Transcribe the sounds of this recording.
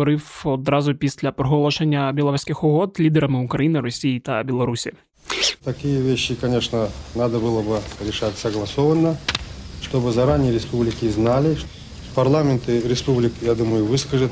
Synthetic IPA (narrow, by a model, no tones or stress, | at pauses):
ɔɾɪwɔd̪ɾɑzʊpʲisʲlʲɐpɾɔɦɔlˠɔʃenʲːɐbʲɐlˠɐɾusʲkɪxʊɦɔd̪lʲid̪eɾɐmɨʊkɾɐjinɪɾɔsʲijit̪ɐbʲɛlˠɔɾusʲi | t̪ɐkʲijəvʲeɕːɪkɐnʲeʂnənad̪əbɨlˠəbɨɾʲɪʂatʲsəɡlˠɐsovənːəʂt̪obɨzɐɾanʲɪjəɾʲɪspublʲɪkʲɪznalʲɪʂ | pɐrlˠamʲɪnt̪ɨɾʲɪspublʲɪkjad̪uməjʊvɨskəʐɨt̪